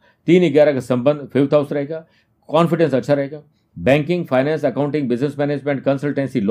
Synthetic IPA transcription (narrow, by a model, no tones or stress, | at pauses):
t̪iːnɦɪɡaːɾakʰasɐ̃mbə̃nd̪fːʋt̪ʰaːʊsɾɐɦeːɡaː | kaːnfɪɖẽnsɐtːʃʰaɾɐɦeːɡaː | bɛ̃ːŋkɪ̃ŋɡfʰaːɪnɛ̃ːnsɐkaːʊ̃ɳʈɪ̃ŋɡ̚bɪznesmɛːneːd͡ʒmẽɳʈ̚kɐ̃nsəlʈẽːnsil